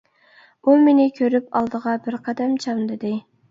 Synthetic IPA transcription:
umenɪkʲʰøɾypɑlˠd̪əʁɑbɪɾqʰɑd̪ɛmt͡ʃʰɑmd̪ɪd̪ɪ

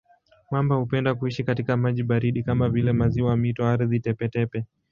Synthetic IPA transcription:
mwambahupɛndakuiʃikatikamaʄiɓaɾiɗikamavilɛmaziwamitɔaɾðitɛpɛtɛpɛ

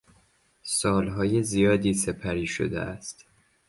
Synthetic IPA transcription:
sɒːlɦɒːje̞zijɒːd̪iːse̞pʰæɾiːʃo̰d̪ḛʔæst̪

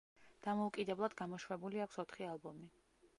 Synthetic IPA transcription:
d̪̥amɔukʼid̪ɛblˠad̪ɡamɔʃwɛbuliakʷʰsɔt̪ʰχialˠbɔmi

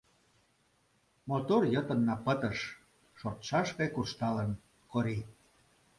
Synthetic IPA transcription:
mot̪orjə̆t̪ə̆nːɑpət̪əʃ | ʃort̪ʃɑʃpekurʃt̪ɑlən | koɾi

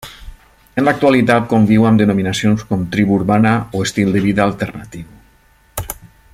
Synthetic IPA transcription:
ənlak̚t̪ualit̪at̪̚kombiwamd̪ənominasionskɔmt̪ɾiβuɾβanaoest̪ilˠd̪əβiðaːlˠt̪ernat̪iw

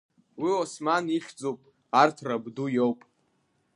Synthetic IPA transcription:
wiosmaniχʲd͡zopʼ | artʰrabdujowpʼ

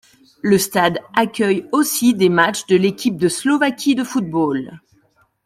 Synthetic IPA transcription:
ləst̪ad̪akʲœjosid̪emat͡ʃd̪əlekʲip̚d̪əslɔvakʲid̪əfut̪̚bol

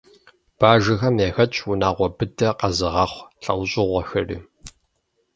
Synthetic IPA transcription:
b̥aːʒɪxɐmeːxɐt͡ʃʼwʊnaːʁʷɔbɨdʰʼɐqɐzɨʁɐχʷɬʼɐ̰wɕʼɪʁʷɔxɐrḭː

